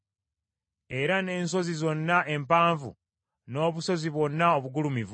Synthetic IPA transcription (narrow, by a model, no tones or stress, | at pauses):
e̞ɾane̞ːnso̞zizo̞nːaʔe̞mpaːɱvṵ | no̞ːβuso̞ziβwo̞nːaoβuɡulumiv